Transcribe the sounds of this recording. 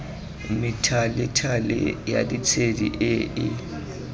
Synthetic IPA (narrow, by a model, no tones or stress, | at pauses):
mɪtʰalɪtʰalɪ̰ja̰dit͡sʰedḭʔɪɪ